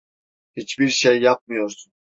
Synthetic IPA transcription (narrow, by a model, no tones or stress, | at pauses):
hit͡ʃbiɾʃejːap̚mɯjo̞ɾsun